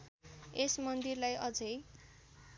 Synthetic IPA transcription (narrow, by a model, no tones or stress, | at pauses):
esmʌnd̪irlajʔʌd͡zʌj